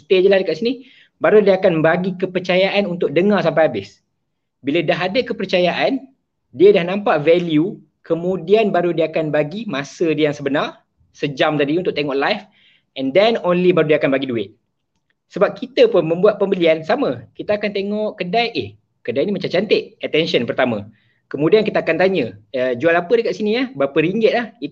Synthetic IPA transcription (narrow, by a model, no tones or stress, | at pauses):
st̪ed͡ʒəlahdəkaʔsini | baɾudiəakanbaɡikəpərt͡ʃajaʔanunt̪ʊk̚dəŋarsampajabɪs | bilədaɦadəkəpərt͡ʃajaʔan | diədahnãmpaʔvɛlju | kəmũdianbaɾudiaːkanbaɡimasədijaŋsəbənar | səd͡ʒamt̪adiunt̪ʊʔ̚t̪eŋɔʔlajf | ɛndɛnonlibaɾudiakanbaɡiduɪt̪̚ | səbap̚kit̪əpʊnmə̃mbuat̪̚pəmbəliansamə̃kit̪aːkant̪eŋɔʔkədajʔɪh | kədajnimat͡ʃat͡ʃant̪ɪʔət̪ɛnʃənpərt̪amə̃ | kəmũdiankit̪aakant̪aɲə̃əd͡ʒualapədəkat̪ʔsiniahbapəɾiŋɡɪt̪̚lahi